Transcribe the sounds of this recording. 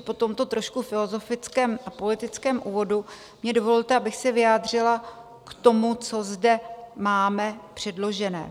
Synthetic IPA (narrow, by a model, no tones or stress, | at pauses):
po̞t̪o̞mt̪o̞t̪ɾo̞ʃkufɪlo̞zo̞fɪt͡skɛːmʔapo̞lɪt̪ɪt͡skɛːmʔuːvo̞du | mɲɛdo̞vollt̪ɛabɪxsɛvɪjaːd̪r̝ɪla | kt̪o̞mut͡so̞zdɛmaːmɛpr̝̥ɛdlo̞ʒɛnɛ̰ː